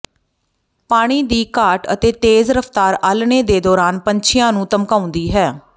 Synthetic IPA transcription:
paːɽ̃iːd̪iːkaːʈə̰t̪eːt̪eːzɾəft̪aːɾaːlneːd̪eːd̪ɔːɾaːnpəɲt͡ʃʰɪjãːnũːt̪əmkaːʊ̃nd̪iːɦɛː

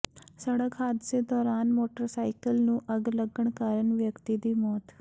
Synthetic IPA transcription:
səɽəkɦaːd̪ɪsed̪ɔːɾaːnmoːʈəɾsaːɪkəlnũʔɐɡləɡəɳkaːɾəɳʋjəkt̪id̪iːmɔːt̪

